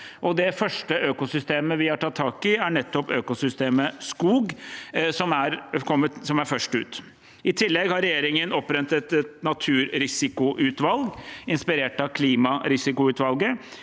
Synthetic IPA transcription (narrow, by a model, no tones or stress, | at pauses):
ʔɔd̪ɛfœʂʈəʔøːkʊsʏst̪eːməʋɪhɑʈʰɑt̪ʰːɑːkɪæɳɛt̪ːɔpøːkʊsʏst̪eːməskuːɡsɔmæɾkʰɔmːət̪sɔmæɾfœʂʈʉ̰ːt̪ | ɪt̪ʰɪlːɛɡhɑɾɛjeːɾɪŋənɔpːɾɛnt̪ɛt̪ɛt̪nɑt̪ʰʉːɾɾɪsɪkʊʔʉːt̪ʋɑlɡɪnspɪɾeːʈɑkʰliːmɑɾɪsɪkʊʉːt̪ʋɑlɡə